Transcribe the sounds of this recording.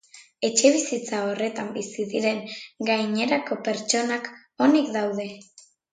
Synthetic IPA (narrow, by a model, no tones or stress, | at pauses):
e̞t͡ʃe̞βisit͡sao̞re̞t̪ambisiðiɾe̞ŋɡajɲe̞ɾako̞pe̞ɾt͡ʃo̞nak | o̞nikd̪awð̞e̞